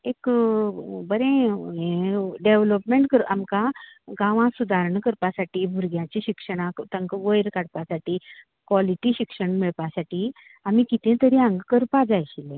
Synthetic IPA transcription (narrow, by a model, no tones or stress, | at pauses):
ek | bəɾẽẽɖeʋləpmẽɳʈkəɾamkaɡãʋãsud̪ʱaɾɳkəɾpasaʈiːbʱuɾɡjãt͡ɕiɕikʂəɽ̃ãkt̪ə̃ŋkʋəjɾkaɽpasaʈiː | kʋɔliʈiɕikʂəɳmiɭpasaʈi | amikit̪ʰẽt̪əɾiãŋɡkəɾpad͡zajɕilẽ